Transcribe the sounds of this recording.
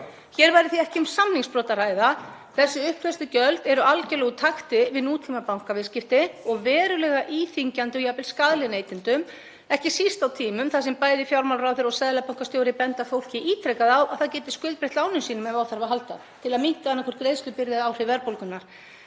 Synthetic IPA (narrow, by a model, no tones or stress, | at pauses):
çɛɾvajɾɪθiɛhcɪʏmsamniŋspɾɔːt̪aɾaːjða | θɛsːʏʏhpʰɛst̪ɪcœlt̪ɛɾʏʔalcɛlɛɣʏt̪ʰaxt̪ɪvɪðnuːt̪ʰimapawŋ̥kavɪscɪft̪ɪɔɣvɛːɾʏlɛːɣaʔiːθiɲcant̪ɪjapɪlskaðlɪneːjt̪ɪnt̪ʏm | ɛhcɪsist̪awt̪ʰiːmʏmθasɛmpaːjðɪfjawɾmawlrawθɪɾɔsɛðlapawŋ̥kast̪joːwɾɪpɛnt̪afowl̥cɪʔiːt̪ʰɾejkaðawaðθaðcɛːjt̪ɪskʏlt̪pɾɪht̪laːwnʏmsiːnʏmɛvawθaɾvaɦalt̪a̰ | t̪ʰɪlaðmin̥t̪aanːakʰvɔɾt̪ɡɾejst̪lʏpɪɾðɪðawr̥ɪvɛɾpowlkʏnːaɾ̥